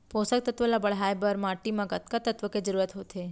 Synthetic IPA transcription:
posək̚t̪ət̪ʋəlabəɭɦajbəɾmaʈimãɡət̪kat̪ət̪ʋəked͡ʒəɾuɾət̪ɦot̪ʰe

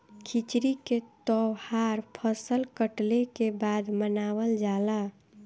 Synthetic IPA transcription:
kʰit͡ʃɾiket̪ɔhaɾpʰəsəlkəʈlekebad̪mənaːwəld͡ʒaːla

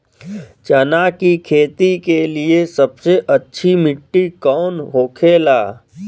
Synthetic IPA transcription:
t͡ʃɐnakikʰeːt̪ikeliesɐbseʔɐtːʃʰimɪʈːikɔːnɦoːkʰeːlaː

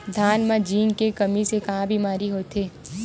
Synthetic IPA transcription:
d̪ʱaːnmãd͡ʒiːŋkekɐmisekɐɦãbʱimaːɾiɦoːt̪eː

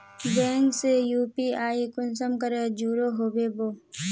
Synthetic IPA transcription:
bɛ̃ːŋksejuːpiːaːikʊnsəmkɐɾəd͡ʒuːɾoɦoːbeboː

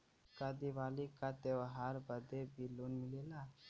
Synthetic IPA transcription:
kad̪iʋalikat̪eʋɦaɾbəd̪ʱebʱiluːnmilela

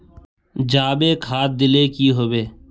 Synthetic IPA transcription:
d͡ʒaːbeːkʰaːt̪̚d̪ɪleːkiɦoːbeː

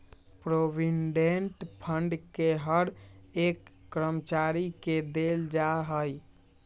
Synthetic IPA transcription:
pɾobinɖeɳʈpʰəɳɖkeɦəɾekːɾəmt͡ʃaɾiked̪eld͡ʒaɦəj

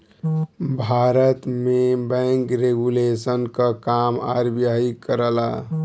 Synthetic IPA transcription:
bʱaɾət̪mebɛ̃ŋkɾeɡulesənkakama̰ɾbjaɦikəɾəla̰

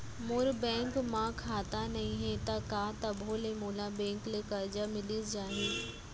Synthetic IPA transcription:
mʊɾbɛ̃ːŋkmãkʰaːt̪anɐɦĩɦɛt̪ɐkaːt̪ɐbʱoːlemoːlabɛ̃ːŋklɪkɐɾd͡ʒamɪlisd͡ʒaːɦeː

